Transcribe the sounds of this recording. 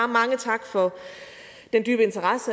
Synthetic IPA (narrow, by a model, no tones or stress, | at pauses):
mɑ̈ŋət͡sʰɑ̈ɡ̥fɒ̽ | d̥endy̰ːb̥əe̝nt͡sʰɐʁɑsə